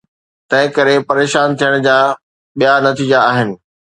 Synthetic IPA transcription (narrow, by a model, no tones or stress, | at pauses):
t̪ɐ̃ɦɪ̃kɐɾepɐɾeːʃaːnt̪ʰijəɽ̃d͡ʑaː | ɓijanɐt̪iːd͡ʑaaːɦɪnɪ̆